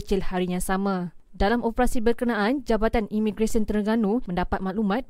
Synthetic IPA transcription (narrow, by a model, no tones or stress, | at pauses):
t͡ʃɪlhaɾijaŋsamã | dalamʔopəɾasibərkənãʔand͡ʒabat̪animĩɡɾesənt̪ərɡanũmə̃ndapat̪̚mãʔlumãt̪̚